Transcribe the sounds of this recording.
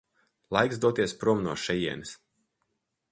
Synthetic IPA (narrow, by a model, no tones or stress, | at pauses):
lˠajksd̪uɔt̪iɛspɾuɔmnuɔʃɛjiɛ̰nis